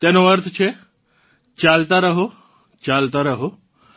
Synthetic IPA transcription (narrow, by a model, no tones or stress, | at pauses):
t̪enoəɾt̪ʰt͡ɕʰe | t͡ɕalt̪aɾəɦo | t͡ɕalt̪aɾəɦo